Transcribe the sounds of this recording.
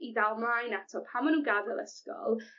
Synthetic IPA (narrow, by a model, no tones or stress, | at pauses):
idalˠmlajnatʰɔpʰamɔnuːɡavɛlˠɛ̰skɔ̰lˠ